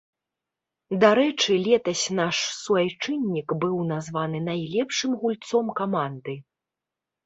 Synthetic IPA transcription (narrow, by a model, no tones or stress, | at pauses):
d̪aɾɛt͡ʂɨlʲɛt̪ɐsʲnaʂsuajt͡ʂɨnʲːikbɨwnazvanɨnajlʲɛpʂɨmɣulʲt̪sɔmkamand̪ɨ